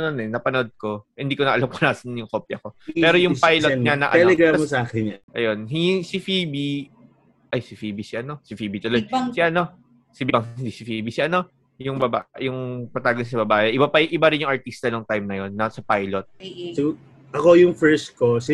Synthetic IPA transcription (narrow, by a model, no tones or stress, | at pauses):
ɐnonɛnːɐpɐnod̪̚ko̞hɪnd̪iːkoɐʔɐlamko̥naːsɐnnjʊŋkoːpjɐko̞pɛːɾojʊŋpajloɲɐnɐ̰ʔɐɛlɛɡɾamsaːkɛnʔɐjo̞nhisifibi | ʔɐjsɪfiːbisɪʔɐno̞sɪfiːbit̪olod̪̚siʔɐno̞ | sibbɐŋɪnd̪isɪfiːbisiʔɐno̞ | jʊŋbɐba̰jʊŋpɐt̪aːɡɐnsɐbɐbaːʔɛʔɪbapɐjʊŋʔɪbɐɾɪnjʊŋʔɐɹt̪ist̪ɐnoŋt̪ajmnɐjo̞nːɐsɐpajlot̪̚sɪɡ | ʔɐkojʊŋfɛɹst̪̚kosi